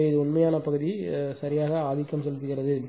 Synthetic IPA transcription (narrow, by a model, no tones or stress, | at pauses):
jɐðɯʊɳmɐjaːnɐpɐɣɯðisɐɾɪjaːɣɐaːðɪkːɐmsɛlːɯt̪ːɯɣɪrɐðɯ